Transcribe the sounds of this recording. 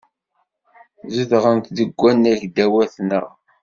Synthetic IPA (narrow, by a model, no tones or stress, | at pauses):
ziðʁənt̪ðəɡʷːænːæʝd̪æwæθnəʁ